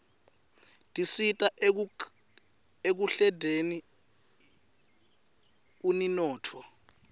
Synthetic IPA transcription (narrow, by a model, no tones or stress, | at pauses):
tʼisitʼa | ek̬uɬɛdʱeni | uninɔːtʰɔ